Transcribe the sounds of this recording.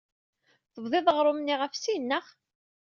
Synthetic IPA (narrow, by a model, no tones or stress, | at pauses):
θəvðˤɪðˤəʁɾˤʊmnːiʁəfsinːəχ